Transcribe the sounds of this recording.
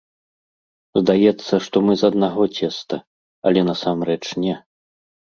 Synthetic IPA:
zd̪ajɛt̪sːɐʂt̪ɔmɨzɐd̪naɣɔt͡sʲɛst̪ɐ | ɐ̰lʲɛnɐsamrɛt͡ʂnʲɛ

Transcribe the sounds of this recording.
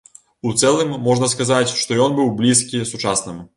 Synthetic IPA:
ut̪sɛlˠɨmːɔʐnɐskazat͡sʲʂt̪ɔjɔnbɨwblʲiskʲisut͡ʂasnɨm

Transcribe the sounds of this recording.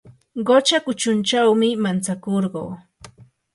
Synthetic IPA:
ɢot͡ʃakʊt͡ʃʊnt͡ʃawmɪmant͡sakoɾɢoː

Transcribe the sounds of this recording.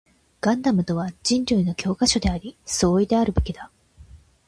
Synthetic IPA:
ɡ̥ãnd̪amɯ̟t̪o̞β̞ad͡ʑĩɲɾʲɯino̞kʲo̞ːkaɕo̞d̪e̞aɾʲiso̞ːid̪e̞aɾɯ̟be̞kʲid̪a

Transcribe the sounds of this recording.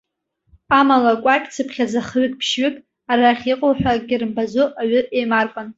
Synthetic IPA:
amalakʷʼakʲʼt͡sʰɨpʰχʲad͡zaχɥʏkʼpʰʃɥɪkʼ | aɾaχʲiqʼowħʷᶣaɡʲɪrɨmbazʷoʔaɥʊʔejmarkʷʼan

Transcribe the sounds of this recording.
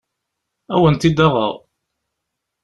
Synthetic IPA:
æwənt̪id̪ɑʁə̰ðˤ

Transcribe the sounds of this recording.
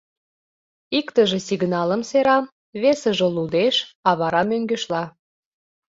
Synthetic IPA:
ikt̪əʒesiɣnɑləmseɾɑm | βesəʒĕlud̪eʃɑβɑɾɑmøŋɡeʃlɑ

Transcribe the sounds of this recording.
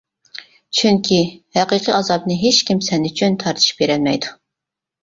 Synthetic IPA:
t͡ʃʰyŋkʲʰihæqəqʰiɑzɑbnɨɦet͡ʃkʲimsɛnyt͡ʃʰynt̪ʰɑɾt̪ʰɨ̥ʃb̥eɾɛlmɛjd̪u

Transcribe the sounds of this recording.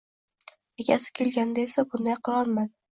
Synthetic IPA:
eɡʲʰa̰sɪ̥kʲʰe̞lɡʲand̪aesabʊnd̪ajqʰɨlˠɒɾman

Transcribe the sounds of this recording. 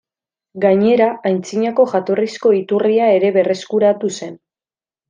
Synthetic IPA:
ɡaɲe̞ɾaajnt͡siɲako̞ʝat̪o̞risko̞it̪uriae̞ɾe̞βe̞re̞skuɾat̪use̞n

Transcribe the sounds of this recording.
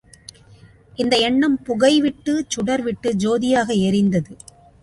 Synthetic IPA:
ʔɪnd̪ɐɛɳːɐmpʊɣɐɪʋɪʈːɯt͡ʃʊɽɐɾʋɪʈːɯd͡ʒoːðɪjaːɣɐɛɾɪnd̪ɐðɯ

